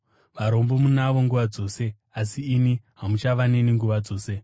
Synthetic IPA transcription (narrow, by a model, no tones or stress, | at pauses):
ʋaɾo̞mbo̞munaʋo̞ŋɡuʋad͡zo̞ːse̞ | asiːniɦamut͡ʃaʋane̞niŋɡuʋad͡zo̞ːse̞